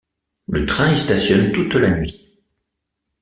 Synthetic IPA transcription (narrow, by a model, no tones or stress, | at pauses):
lət̪χɛ̃est̪asjɔnt̪ut̪lanɥi